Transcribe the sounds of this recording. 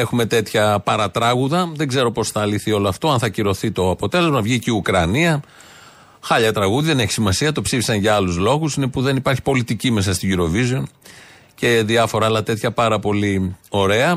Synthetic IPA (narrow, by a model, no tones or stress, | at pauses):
e̞xume̞t̪e̞t̪çɐpɐɾɐt̪ɾɐɣuðɐðe̞ŋɡze̞ɾo̞po̞sθɐːliθio̞loɐft̪o̞ɐnθɐciɾo̞θit̪o̞ɐpo̞t̪e̞le̞zmɐvʝiciukɾɐniɐ | xɐʎɐt̪ɾɐɣuðiðe̞ne̞çi̥simɐsiɐt̪o̞psifi̥sɐnʝɐɐluzlo̞ɣusinepuðe̞nipɐɾçi̥po̞lit̪icime̞sɐst̪iʝiɾo̞vizo̞n | ce̞ðiɐfo̞ɾɐːlɐt̪e̞t̪çɐpɐɾɐpo̞lio̞ɾe̞ɐ